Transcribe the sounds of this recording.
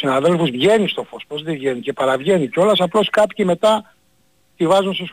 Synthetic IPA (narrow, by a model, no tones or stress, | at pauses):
sinɐðelfuzvʝe̞nist̪o̞fo̞spo̞zðivʝe̞nice̞pɐɾɐvʝe̞nico̞lɐsɐplo̞skɐpceme̞t̪ɐ | t̪ivɐzunst̪os